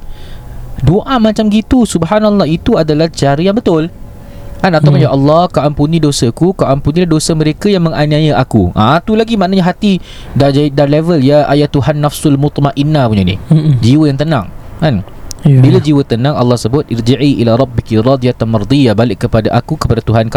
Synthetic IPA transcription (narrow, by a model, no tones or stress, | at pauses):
doʔamãt͡ʃamɡit̪usubɦanaɔlˠˤːɑit̪uadalaht͡ʃaɾəjaŋbət̪ʊl | kanat̪awkʊnjaʔɑlːɑhkawʔampunĩdosəkukawʔampunĩlahdosəmə̃ɾekajaŋmə̃ŋanĩajəʔakṵʔat̪ulaɡimaʔnaɲaɦat̪i | dad͡ʒadalɛvəljaa̰jat̪ːuɦanːafsʊlmut̪maʔinːapuɲanḭhd͡ʒiwəjaŋt̪ənã̰ŋkan | bilad͡ʒiwət̪ənãŋɑ̰lːɑhsəbʊt̪̚ʔɪrd͡ʒaʕiʔḭlaɾˤɑbːikiɾˤɑd̪ijat̪anmard̪ijabalɪʔkːəpadaʔakukəpadat̪uɦanka